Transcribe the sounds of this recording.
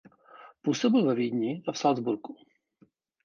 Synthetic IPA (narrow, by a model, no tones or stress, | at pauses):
puːsobɪlvɛviːdɲɪʔafsalzbuɾku̥